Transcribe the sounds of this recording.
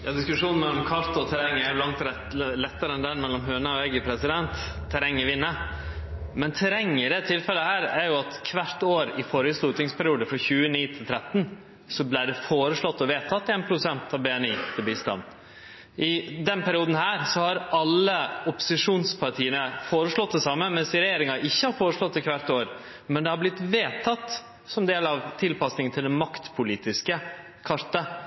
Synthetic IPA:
jɑːd̪ɪskʉʂuːnn̩mɛlːɔmkʰɑɾt̪ɔt̪ʰæɾɛŋːəæɾjʊlɑŋt̪ɾɛ | lɛt̪ːəɾəɛnd̪ænmɛlːɔmɦøːnəɔɛɡəpʰɾɛsɪd̪ɛnt̪ʰː | æɾɛŋːɪʋɪnːə | mɛnt̪ʰæɾɛŋːəɪɖɛt̪ʰɪlfɛlːəhæːɾæɾjʊɑt̪kʰʋæɾt̪oːɾɪfɔɾəslʉːt̪ɪŋspʰæɾɪuːd̪əfɾɑçʉːəniːt̪ʰɪlt̪ʰɾɛt̪ːn | sɔblɪːɖɛfoːɾəʂlɔt̪ːɔʋeːt̪ʰɑt̪ːeːnpʰɾʊsɛnt̪ʰɑʋbɛːɛniːt̪ʰɪlbiːst̪ɑ̰n | ʔɪd̪ɛnpʰæɾɪuːd̪n̩hæːɾsɔhɑɾɑlːəʊpʊ̥sɪʂuːnspʰɑɾʈʰiːənəfoːɾəʂɭɔt̪̚d̪ɛsɑmːəmɛnsɪɾɛjeːɾɪŋɑʔɪçːəhɑɾfoːɾəʂɭɔt̪ːɪkʰʋæɾt̪oːɾ | mɛnd̪ɛhɑblɪt̪ʋeːt̪ʰɑt̪ː | sɔmd̪eːlɑʋt̪ʰɪlpɑsnɪŋənʰɪld̪ɛnmɑkt̪pʰʊliːt̪ɪskə | kʰɑɾt̪ɑ

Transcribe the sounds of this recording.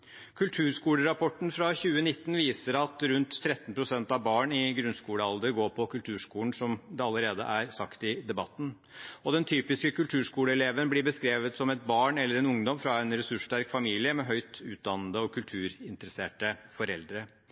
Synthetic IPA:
kʰʉlt̪ʰʉːɾʂkuːləɾɑpʰɔʈn̩fɾɑçʉːənɪt̪ːnʋiːsəɾɑt̪ɾʉnt̪ʰːɾɛt̪ːnpʰɾʊsɛnt̪ɑʋbɑːɳɪɡɾʉnskuːləɑld̪əɾɡoːɾpʰɔkʰʉlt̪ʰʉːʂkuːln̩sɔmd̪ɛɑləɾeːd̪ə̰ʔæɾsɑkt̪ɪd̪ɛbɑ̰t̪n̩ | ɔd̪ɛnt̪ʰyːpɪskəkʉlt̪ʰʉːʂkuːləɛleːʋənblɪɾbəskɾeːʋət̪sɔmɛt̪̚bɑːɳɛlːəɾɛnʊŋd̪ɔmfɾɑɛnɾɛsʉʂʈæɾkfɑmiːlɪəmɛɦœʏt̪ʉːt̪̚d̪ɑnːəd̪əɔkʰʉlt̪ʰʉːɾɪnt̪əɾəseːʈəfɔɾɛld̪ɾə

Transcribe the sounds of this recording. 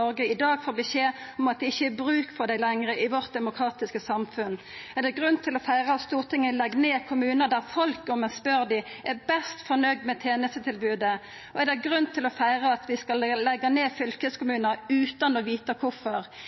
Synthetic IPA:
ɔʁɡəɪd̪ɑːɡfoːʁbəseːɔmɑt̪̚d̪ɛɪçːəɛbɾʉːkfɔd̪æɪlɛŋʁəʔɪʋɔʁt̪̚d̪ɛmʊkʰɾɑːt̪ɪskəsɑmfʉn | ɛd̪ɛɡʁʉnt̪ʰɪlɔfæɪʁɑɑt̪st̪uːʁt̪ʰɪŋːəlɛɡːneːkʰʊmʉːnəd̪æʁfɔlkɔmɛspœɾd̪ɪ | ʔɛbɛst̪fɔʁnœɡ̚d̪mɛt̪ʰeːnəst̪ət̪ʰɪlbʉːd̪ə | ɔɛd̪ɛɡʁʉnt̪ʰɪlɔfæɪʁəɑt̪ʋɪskɑlːɛɡɑneːfʏlkəskʊmʉːnəʁʉːt̪ɑnɔʋiːt̪ɑkʰʊfɔʁ

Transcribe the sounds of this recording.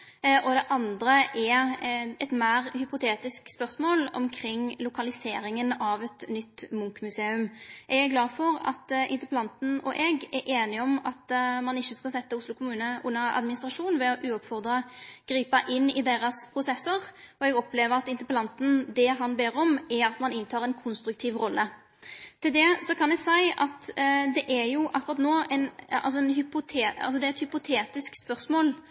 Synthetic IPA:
ʔɔd̪ɛʔɑnd̪ɾəʔɛɾɛt̪mæːʁhʏpʊt̪ʰeːt̪ɪskspœʁsmoːlɔ̰mkʰɾɪŋːlʊkɑlɪseːɾɪŋənɑʋɛt̪nʏt̪ːmʊŋkmʉseːʉmʔɛɡæɾɡlɑːfɔɾɑ̰t̪ɪ̰nt̪əpəlɑnt̪n̩ɔ̰ʔɛɡɛɾʔeːnɪɔmɑt̪mɑnɪçːəskɑlsɛt̪ːəʊslʊkʰʊmʉːnəʔʊnːəɑ̰d̪mɪnɪst̪ɾʁɑʂuːnʋɛɔʔʉːɔpfɔʁd̪ʁɑɡ̥ɾiːpɑʔɪnːɪd̪eːɾɑspʰɾʊsɛsːəʁɔɛɡɔpleːʋəɾɑt̪ɪnt̪əpəlɑnt̪n̩d̪ɛɦɑnbeːɾɔmɛɾɑt̪mɑnɪnt̪ʰɑːʁɛnkʰʊnst̪ɾʉk̚t̪ʰiːʋɾɔlːə | t̪ʰɪld̪ɛsɔkʰɑnɛɡsæɪɑ̰t̪d̪ɛʔæjʊʔɑkːʊɾɑt̪noːɛnɑ̰ls̬ɔɛnɦʏpʊt̪ʰeːɑ̰lsɔd̪ɛæɾɛt̪hʏpʊt̪ʰeːt̪ɪskspœʁsmoːl

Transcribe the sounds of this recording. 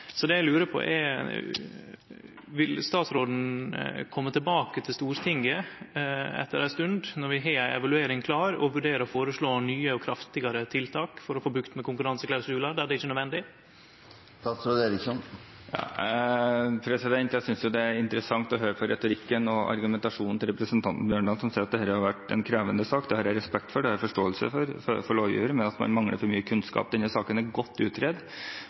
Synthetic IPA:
sɔd̪ɛjæɪlʉːɾəpʰɔ̰ʔɛ̰ | ʋɪlst̪ɑːt̪sɾoːd̪n̩kʰɔmːət̪ʰɪlbɑːkət̪ʰɪlst̪uːɾt̪ʰɪŋɡə | ɛ̰t̪ːəɾæɪst̪ʉnd̪nɔɾʋɪɦeːæɪɛ̰ʋɑlʉeːɾɪŋkʰlɑːɾɔ̰ʋʉɖeːɾəɔfoːɾəʂɭoːnyːəɔkʰɾɑft̪ɪɡɑɾət̪ʰɪlt̪ʰɑːkfɔɾɔfoːbɾʉkt̪mɛkʊŋkʉɾɑnsəklæɾsʉːlɑd̪ɛæɖɛɪçːənœd̪ʋɛnd̪ɪ | t̪ʰɑsɾud̪eːɾɪksɔn | jɑ̰ː | pʰɾɛsɪd̪ɛnt̪jæsʏnsjʊd̪ɛæɾɪnt̪əɾəsɑŋt̪ɔɦøːɾəpʰɔɾɛt̪ʊɾɪkːənɔʔɑ̰ɾɡʉmɛnt̪ɑʂuːnnt̪ɪlɾɛpɾəsənt̪ʰɑnt̪n̩bjøːɳɖɑːd̪sɔmseːɾɑt̪d̪ɛæːɾəhɑɾʋæʈɛ̰nkʰɾeːʋənd̪əsɑːkd̪ɛhɑɾæɾɛspɛkt̪fɔɖɛhæɾfɔʂʈoːəlsə̰fɔɾfɔfɔɭoːʋjʉ̰ːəɾmɛnɑt̪mɑ̰nmɑŋlə̰ɾfɔɾmyːəkʰʉnskɑ̰ːp̚d̪ɛnːəsɑːkənæɾɡɔt̪ːʉːt̪ɾɛd̪

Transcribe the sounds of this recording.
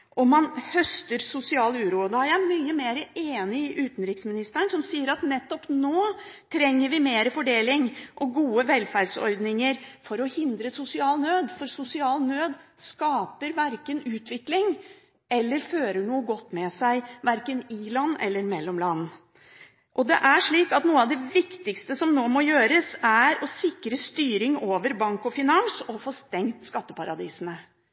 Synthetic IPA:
ʔɔmːɑnhœst̪əɾsʊsɪɑːlʉːɾud̪ɑjææmyːəmeːɾəʔeːnɪɪʔʉːt̪n̩ɾɪksmɪnɪst̪əɳsɔmsiːəɾɑt̪nɛt̪ːɔpnoːt̪ʰɾɛŋːəɾʋɪmeːɾəfɔɖeːlɪŋʔɔɡuːəʋɛlfæɖsɔ̰ɾd̪nɪŋəɾfɔɾɔhɪnd̪ɾəsʊsɪɑːlnøːd̪fɔɾsʊsɪɑːlnøːd̪skɑːpəɾʋæɾkənʉːt̪ʰʋɪklɪŋ | ɛlːəɾføːɾəɳuːəɡɔt̪ːmɛsæɪʋæɾkənɪlɑnːɛ̰lːəɾmɛlːɔmlɑnː | ʔɔd̪ɛ̰ʔæʂɭiːkɑt̪nuːəɑʋd̪ɛʋɪkt̪ɪkst̪əsɔmnoːmɔjøːɾəsæɾɔsɪkɾəst̪yːɾɪŋoːʋəɾbɑŋkɔfɪnɑnsɔfoːst̪ɛŋt̪skɑt̪ːəpɑɾɑd̪iːsənə

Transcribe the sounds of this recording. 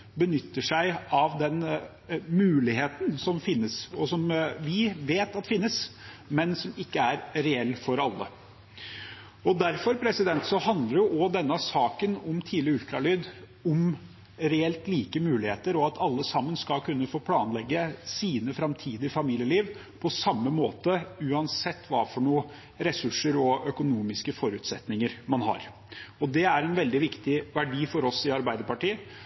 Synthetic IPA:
bənʏt̪ːəʂæɪɑʋd̪ɛn | mʉːlɪheːt̪ənsɔmfɪnːəsɔsɔmʋɪʋeːt̪ɑt̪fɪnːəs | mɛnsɔmɪkːəæɾɾɛɛlːfɔɾɑlːə̰ | ɔd̪æɾfɔɾpʰɾɛsɪd̪ɛnt̪sɔhɑnd̪ləɾjʊʔɔd̪ɛnːɑsɑːkənɔmt̪ʰiːlɪəʉlt̪ɾɑlyːd̪ | ʊm | ɾɛɛlt̪liːkəmʉːlɪheːt̪əɾɔɑt̪ʰɑlːəsɑmːənskɑkʰʉnːəfoːpʰlɑːnlɛɡːəsiːnəfɾɑmt̪ʰiːd̪ɪəfɑmiːlɪəliːʋ | pʰɔsɑmːəmoːt̪əʉːɑnsɛt̪ːʋɑːfɔɳuːə | ɾɛsʉʂːəɾɔœkʊnuːmɪskəfɔɾʉːt̪sɛt̪nɪŋəɾmɑnɦɑ̰ɾ | ɔd̪ɛæɾɛnʋɛld̪ɪʋɪkt̪ɪʋæɖiːfɔɾɔsɪɑɾbæɪd̪əɾpɑʈiːə

